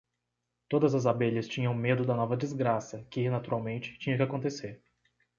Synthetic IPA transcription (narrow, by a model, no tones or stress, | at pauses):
t̪od̪ɐzɐzabeʎɐst͡ʃĩɲɐ̃w̃med̪ʊd̪ɐnɔvɐd͡ʒɪzɡɾasɐkɪnat̪uɾawmẽnt͡ʃɪ̥t͡ʃĩɲɐ̃kɪakõnt̪eseɾ